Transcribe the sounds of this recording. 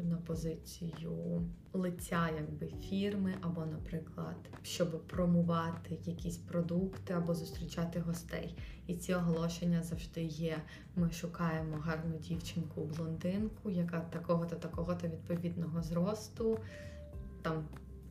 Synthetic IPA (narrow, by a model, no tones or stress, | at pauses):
nɐpɔzɪt͡sʲijʊ | lˠɪtʲːajɐɡbɪfʲirmɪʔɐbɔnɐpɾɪklˠɐ̰d̪̥ | ʃt͡ʃɔbɪpɾɔmʊʋɑt̪ɪjɐkʲisʲpɾɔd̪ukt̪ɪɐbɔzʊst̪ɾʲit͡ʃɑt̪ɪɦɔst̪ɛ̰j | it͡sʲiɔɦlˠɔʃenʲːɐzɐwʒd̪ɪjɛ | mɪʃʊkɑjemɔɦɑrnʊdʲiwt͡ʃɪnkʊblˠɔnd̪ɪnkʊjɐkɑt̪ɐkɔɦɔt̪ɐt̪ɐkɔɦɔt̪ɐʋʲid̪̚pɔʋʲid̪nɔɦɔzɾɔst̪ʊ | t̪ɑm